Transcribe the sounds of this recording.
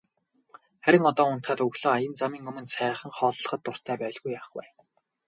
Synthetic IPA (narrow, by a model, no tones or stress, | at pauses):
χæɾʲɪ̆ŋɔt̪ɔːʊn̥t̪χaːt̪ɵɣɮoːajə̆nt͡samiːŋɵmɵ̆nsæːχə̆ŋχɔːɮːə̆χə̆t̪ːʊr̥t̪ʰæːpæːɮɣujaχwæ̰ː